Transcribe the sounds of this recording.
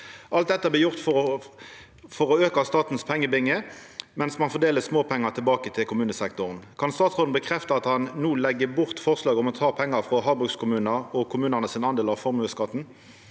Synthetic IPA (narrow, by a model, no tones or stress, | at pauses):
ʔɑlt̪̚d̪ɛt̪ːəblɪjʊʁt̪fɔ | fɔʁɔøːkɑst̪ɑːt̪n̩spʰɛŋːəbɪŋːəmɛnsmɑnfɔʁd̪eːləsmoːpʰɛŋːɑʁt̪ʰɪlbɑːkət̪ʰɪlkʰʊmʉːnəsɛkt̪ʊʁnkʰɑnst̪ɑːt̪sʁoːd̪n̩bəkʰʁɛft̪əɑt̪hɑnnuːlɛɡːəbʊʁt̪fɔʁslɑːɡɔmɔt̪ʰɑːpʰɛŋːɑʁfʁɔɦɑːbʁʉkskʰʊmʉːnəʁɔkʰʊmʉːnəʁnəsɪnɑnd̪eːlɑʋfɔʁmʉəskɑt̪n̩